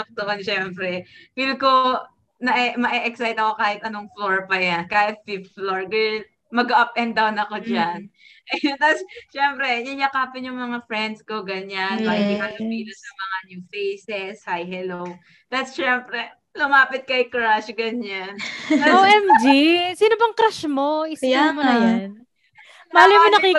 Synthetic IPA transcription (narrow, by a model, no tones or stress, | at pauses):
ʊk̚t̪oʔonʃɛmpɾɛfilko | nɐʔɛmɐʔɛʔɛksajt̪ɐko̞kaːhɪt̪ʔɐnoŋfloɹpɐjankaːhɪt̪̚fipfloɹɡɛ | mɐɡɐʔɐp̚ʔɛnd̪awnɐko̞d͡ʒanʔɐjont̪asʃɛmpɾɛjɐnjɐkaːpɪnjʊŋmɐŋafɹɛnd̪sko̞ɡɐɲanbaɪhalʊpiːlɐsɐŋmɐŋaɲjuːfejsɛshajɦɛlow | d̪̥at̪sʃɛmpɾɛ | lʊmaːpɪt̪̚kɐjkɾaʃɡɐɲanoɛmd͡ʒisiːnobɐŋkɾaʃmo̞ɪsɐjamon | maːlɐjmɪnɐki